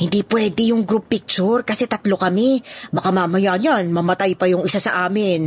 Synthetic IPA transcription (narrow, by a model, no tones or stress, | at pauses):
hɪnd̪iːpwɛːd̪ɛjʊŋɡɾupːɪk̚t͡ʃʊɾkɐsɛt̪ɐt̪lo̞kɐmɛbɐkamaːmɐjaʔɲanmɐmɐt̪ajpɐjʊŋɪsasɐʔaːmɪn